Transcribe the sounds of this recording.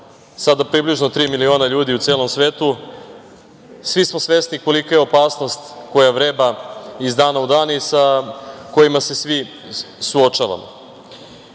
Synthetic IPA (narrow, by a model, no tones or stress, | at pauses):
sad̪apɾibliʒno̞t̪ɾiːmilio̞ːnaʎuːd̪iut̪se̞ːlo̞msʋe̞ːt̪u | sʋismo̞sʋe̞sniko̞likajeo̞paːsno̞st̪ko̞jaʋɾe̞ːbaizd̪aːnaud̪aːnisako̞jimase̞sʋi | suot͡ʃaʋa̰mo̰